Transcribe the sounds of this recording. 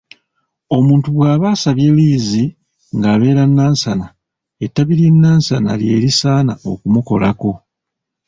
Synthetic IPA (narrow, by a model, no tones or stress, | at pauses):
o̞muːntuβwaːβaːsaβjeliːzi | ŋɡaːβe̞ːɾanːaːnsana | etːaβiɾinːaːnsana̰lje̞̰ːɾisaːnao̞̰kumuko̞̰lʔa̰ko̞